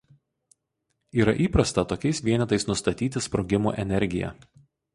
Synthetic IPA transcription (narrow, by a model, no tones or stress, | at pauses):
iːɾɐ̰ʔiːpɾɐst̪ɐt̪oːkʲɛɪsʋʲiɛnʲɛt̪ɐɪsnʊst̪ɐt̪ʲiːt̪ʲɪspɾoːɡʲɪmṵːʔɛnʲɛɾʲɡʲɪjɛ̰